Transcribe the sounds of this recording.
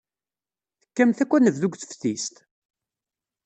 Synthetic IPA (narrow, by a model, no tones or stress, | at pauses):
θə̥kːæmθækʷːænəvðuɡʷθə̥fθist̪